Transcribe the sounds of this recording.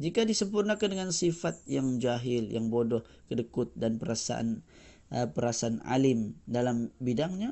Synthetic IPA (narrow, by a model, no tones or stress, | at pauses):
d͡ʒikadisəmpurnakandəŋansifat̪̚jaŋd͡ʒaɦɪljaŋbodɔh | kədəkʊt̪̚danpəɾasa̰ʔa̰n | ʔəpəɾasaːna̰lɪmdalambidaŋɲa